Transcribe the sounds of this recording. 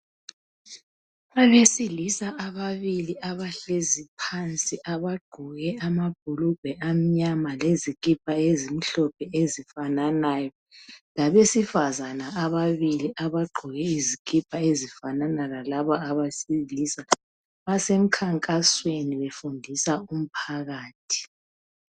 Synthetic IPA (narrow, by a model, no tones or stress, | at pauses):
aβesilisaʔaβaβiliʔaβaɬezipʰant͡sʼiʔaβaɡ͡ǃʱuɣɛamab̥̚ʱulub̥ʱɛʔam̩ɲamalezikʼip̚ʰʼaezim̩ɬɔp̚ʰɛezifananaːjɔ | laβesifazanaaβaβiliʔaβaɡ͡ǃʱuɣɛizikʼipʰʼaezifananalalaβaaβasilisa | βasem̩kʰaŋkʼasweniβefundʱisaum̩pʰaɣaːtʰi̥